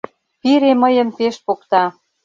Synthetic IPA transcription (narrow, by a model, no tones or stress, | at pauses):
piɾeməjə̆mpeʃpokt̪ɑ